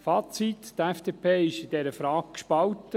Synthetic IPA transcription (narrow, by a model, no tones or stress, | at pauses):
fɑːt͡sit̪t̪æfd̥eːpʰeːɪʃɪdɛɾəfɾɑːk̚kʃpɑlt̪ə